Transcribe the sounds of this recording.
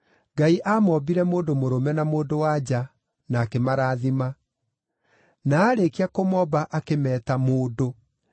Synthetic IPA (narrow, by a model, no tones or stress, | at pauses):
ɡaiʔamɔbiɾɛmoːdomoɾomɛnamoːdowad͡ʑa | nakemaɾaːðima | naːɾekiakomɔbaʔakemɛːtamoːdo